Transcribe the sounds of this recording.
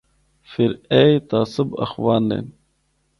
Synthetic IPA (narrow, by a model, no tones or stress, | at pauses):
fiɾejt̪aːsɨbɐ̰xwaːnlḛn